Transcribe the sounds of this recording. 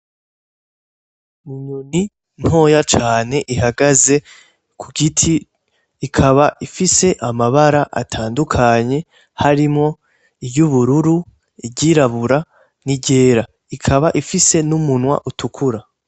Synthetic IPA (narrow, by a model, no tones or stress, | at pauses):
muɲoni | n̥ho̞ːjat͡ʃaːne̞ʔihaɡaze̞ | kʰuɡitʰiː | kʰaβaʔifise̞ʔamaβaɾaʔa̰tʰaːndukʰaɲe̞ | haɾimŋo̞ | ijuβuɾuɾu | iɟiɾaβuɾa | niɟe̞ːɾa | ikʰaβaʔifise̞numunwa̰ʔutʰukʰuɾa